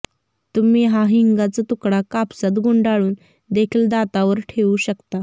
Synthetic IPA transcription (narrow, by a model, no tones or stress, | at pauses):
t̪um̤iːɦaɦiŋɡat͡sat̪ukɽakapsat̪ɡoɳɖaɭuːn | d̪ekʰiːld̪at̪aʋəɾʈʰeʋuːɕəkt̪a